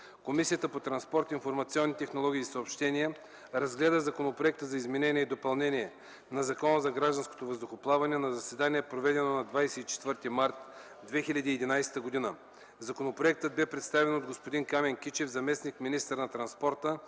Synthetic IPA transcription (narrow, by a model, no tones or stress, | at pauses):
komisijət̪əpot̪ɾɐnspɔɾt̪infoɾmɐt̪siɔnːit̪ɛxnolˠɔɡʲiːsɐopʃt̪ɛniə | ɾɐzɡlɛd̪əzɐkonopɾoɛk̚t̪əzɐizmɛnɛnʲiɛid̪opɐlˠnɛniɛ | nɐzɐkɔnəzɐɡɾaʒd̪ɐnsko̥t̪ovəzd̪ʊxoplˠavɐnɛɛnɐzɐsɛd̪aniɛpɾovɛd̪ɛnonɐd̪vajsɛit͡ʃɛ̥t̪vəɾt̪imaɾt̪ | d̪vɛxilʲɐd̪iːɛd̪inajsɛ̥t̪əɡod̪inə | zɐkonopɾoɛk̚t̪əd̪̚bɛpɾɛt̪st̪avɛnod̪̚ɡospod̪inkamɛŋkʲit͡ʃɛvzɐmɛsnikminist̪əɾnɐt̪ɾɐnspɔɾt̪ə